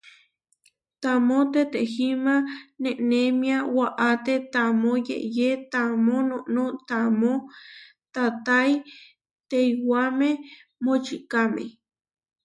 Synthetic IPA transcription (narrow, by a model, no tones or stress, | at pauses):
t̪amõt̪et̪ehimãnẽʔnẽmĩawaʔat̪et̪amojḛʔjet̪amonõʔnot̪amo | t̪at̪aj | t̪ejwamẽ | mot͡ʃikamḛ̃